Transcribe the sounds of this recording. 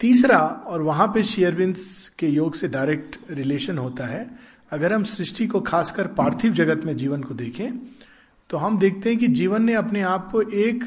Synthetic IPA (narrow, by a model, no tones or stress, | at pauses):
t̪iːsɾaɔːɾʋɐɦãpeʃijəɾʋɪ̃nskejoːɡseɖaːɪɾɛːk̚ʈɾɪleːʃənɦoːt̪aɦɛː | ɐɡəɾɦɐmsɾɪʃʈikokʰaːskəɾpaːɾt̪ʰɪʋd͡ʒɐɡət̪mẽd͡ʒiːʋənkod̪eːkʰẽ | t̪oɦɐmd̪eːk̚ʰt̪eɦɛ̃kid͡ʒiːʋənːeɐpneaːp̚koʔeːk